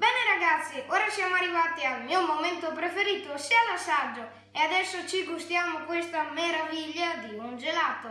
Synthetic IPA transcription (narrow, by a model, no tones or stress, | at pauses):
bɛneɾaɡat̪sːiʔɔɾasjamoarːivat̪iamiomomɛnt̪opɾefeɾit̪osialasad͡ʒːo | ead̪ɛsːot͡ʃiɡust̪jamokwest̪ameɾaviʎːad̪iund͡ʒelat̪o